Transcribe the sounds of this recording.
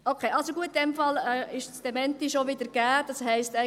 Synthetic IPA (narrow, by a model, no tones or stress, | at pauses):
okʰeːʔɑlsoɡuət̪̚dɛmfɑlɛːɪʃsd̥ɛmɛntiʃoʋɪd̪əɾɡ̥æːd̥ɑshɛɪstɛ